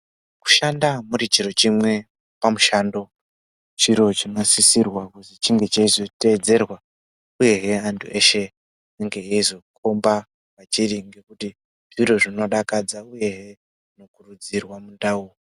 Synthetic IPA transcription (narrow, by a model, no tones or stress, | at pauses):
ku̥ʃandamuɾit͡ʃiɾo̞t͡ʃimwe̞ | pamuʃando̞ | t͡ʃiɾo̞t͡ʃinasisirwakusit͡ʃiŋɡe̞t͡ʃaizo̞te̞ːd͡ze̞rwa | uje̞ɦe̞antʰṵʔe̞ʃe̞ | eŋɡe̞ɦeizo̞kʰo̞mba | pat͡ʃiriŋɡe̞kuti | ʐ̥iɾoʐino̞ɗakad͡zauje̞ɦe̞ | ʐino̞kurud͡zirwamundauo